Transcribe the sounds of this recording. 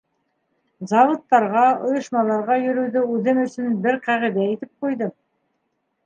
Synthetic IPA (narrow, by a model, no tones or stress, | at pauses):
zɑvot̪ːɑɾʁɑŏjŏʃmɑlˠɑɾʁɑjɵ̆ɾɵ̆wðɵʉðɘmɵ̆sɵnbɘɾqæʁĭd̪æit̪ɘp̚qujðɤ